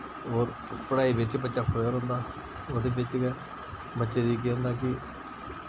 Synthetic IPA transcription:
ɦoːɾ | pəɽaːiːbɪt͡ʃbətːʃaːpʰoəɾɦõːnd̪aː | oːd̪eːbɪt͡ʃɡɛː | bətːʃeːd̪iːkeːɦʊ̃nd̪aːkɪ

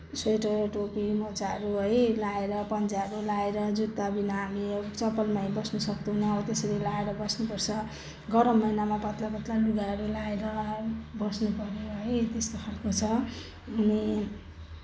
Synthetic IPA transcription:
sojʈʌʈopimʌt͡saɦʌɾuɦʌjlaeɾʌpʌnt͡saʌɾulaeɾʌd͡zut̪ːabinaːmit͡sʌpːʌlmaibʌsnusʌkd̪onʌt̪esʌɾilaeɾʌbʌsnupʌrt͡sʰʌ | ɡʌɾʌmːʌjnamapʌt̪lapʌt̪laluɡaɦʌɾulaeɾʌbʌsnupʌɾeɦʌjt̪eskokʰalkot͡sʰʌ | ɦuni

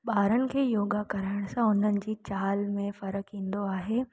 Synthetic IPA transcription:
ɓaːɾənɪ̆kʰeːjoːɡakɐɾaːɪɽ̃sãʊn̤ənɪ̆d͡ʑiːt͡ɕaːlmẽfɐɾəkɦĩːnd̪oaːɦeː

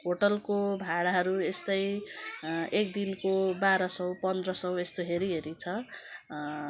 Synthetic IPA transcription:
ɦoʈʌlkobʱaɽaɦʌɾuest̪ʌj | ekd̪inkobaɾʌsʌw̃pʌnd̪rʌsʌw̃est̪oɦeɾiɦeɾit͡sʰʌ

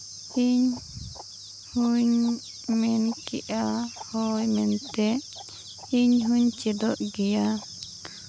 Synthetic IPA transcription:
iɲ | huɲ | mɛnkiʔahɔjmɛnt̪ɛ | iɲɦuɲt͡ʃid̪ɔʔɡɛja

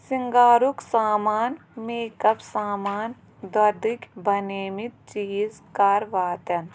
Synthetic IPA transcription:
siŋɡaːɾuksaːmaːnmeːkɐpsaːmaːn | d̪ɐd̪ikbʱɐneːmit̪̚t͡ʃiːzkaːɾʋaːt̪ɐn

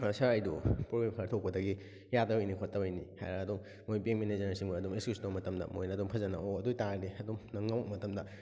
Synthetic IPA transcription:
saɾɐjdupɾoɡɾemkʰɐɾtʰok̚pɐdɐɡi | jadɐbɐjnikʰotːɐbɐjniha̰jɾɐːdumːojpeŋmenezɐɾsiŋbaɐdumeskistomɐtɐmdɐ̰mo̰jnɐːduŋpʰɐzɐnɐ̰oɐdujtaɾdeɐdumnɐŋːawk̚mɐtɐmdɐ

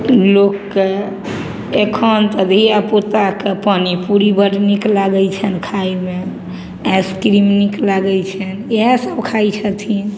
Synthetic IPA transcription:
lokːe | ekʰənt̪əd̪ʱiapot̪akepanipuɾibəɽniklaɡɛt͡ʃʰənkʰaime | ẽskɾimniklaɡɛlt͡ʃʰəneɦẽsəbkʰajt͡ʃʰət̪ʰin

